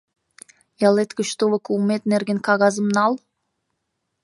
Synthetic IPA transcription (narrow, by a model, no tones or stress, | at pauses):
jɑlˠet̪kəʃt̪uvə̆kuːmet̪nerɡʲenkɑɣɑzəmnɑlˠ